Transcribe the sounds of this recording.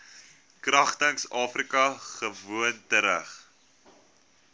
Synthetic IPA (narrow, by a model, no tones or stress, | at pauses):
krɐχtəŋsɑːfrikɐχəvuəntəɾə̰χ